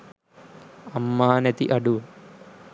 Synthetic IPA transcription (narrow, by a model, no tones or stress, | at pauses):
ɐmːaːnet̪iʔɐɖu